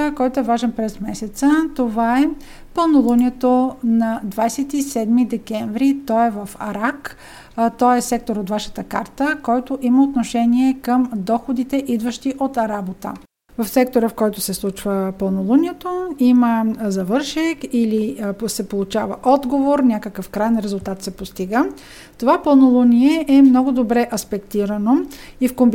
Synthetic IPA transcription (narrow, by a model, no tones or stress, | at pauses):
kɔjt̪oɛvaʒɛnpɾɛzmɛsɛt̪sət̪ovaɛ | pəlˠnolˠunʲiɛt̪onɐd̪vajsɛt̪isɛd̪mid̪ɛkɛɱvɾit̪ɔɛvəfɐ̰ɾak | t̪ɔɛsɛk̚t̪oɾot̪vaʃə̥t̪əkaɾt̪əkɔjt̪oʔiməot̪noʃɛniɛkəmd̪ɔxod̪it̪ɛʔid̪vəʃt̪iʔot̪ɾabot̪ə̰ | vɐfsɛk̚t̪oɾəfkɔjt̪ʊsɛslˠut͡ʃvəpəlˠnolˠunʲiɛt̪oiməzɐvɤɾʃɛkilisɛpolˠʊt͡ʃavə̰ʔɔd̪ɡovoɾnʲakəkəfkɾajɛnɾɛzʊlˠt̪at̪sɛpost̪iɡə | ovapəlˠnolˠuniɛʔɛmnɔɡʊd̪obɾɛʔɐspɛkt̪iɾənoifkomb